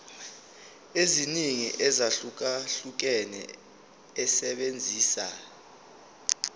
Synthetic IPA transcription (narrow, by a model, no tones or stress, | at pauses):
eziniŋḭʔɛzaɬuk̬aɬuk̬ɛnɛ̰ | ɛsɛɓend͡zʱiːsa̰